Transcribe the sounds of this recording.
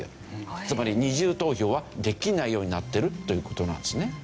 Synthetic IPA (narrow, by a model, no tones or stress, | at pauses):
t͡sɨmaɾʲiɲ̟iʑɨːt̪o̞ːço̞ːβad̪e̞kʲinaijo̞ːɲ̟inat̪ːe̞ɾɯ̟t̪ːo̞jɯ̟ːko̞t̪o̞nã̰nd̪esɨne